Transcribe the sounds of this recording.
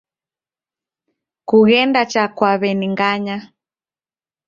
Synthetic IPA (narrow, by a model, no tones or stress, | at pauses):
kuɣɛndat͡ʃakwaβɛniŋɡaɲa